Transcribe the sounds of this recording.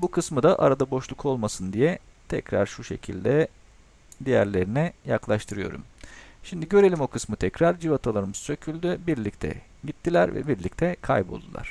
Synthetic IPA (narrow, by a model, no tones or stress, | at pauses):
bukʰɯsmɯd̪aʔa̰ɾad̪abo̞ʃlˠukʰo̞lˠmasɯnd̪ijɛt̪ʰɛcɾa̰ɾʃuʃe̞̰cʰilʲd̪ɛ | d̪ijæ̰ɾlʲe̞ɾinɛjaklˠaʃt̪ʰɯɾɯjo̞̰ɾṵmʃimd̪iɟø̞ɾe̞lʲimokʰɯsmɯt̪ʰɛcɾaɾd͡ʒivat̪ʰalˠaɾɯmzsø̞cʰylʲd̪ybiɾlʲic̚t̪ʰɛ̰ | ɟit̪ʰːilʲæɾvɛ̰biɾlʲic̚t̪ʰɛkʰa̰jbo̞̰lˠd̪ulˠa̰ɾ̝̥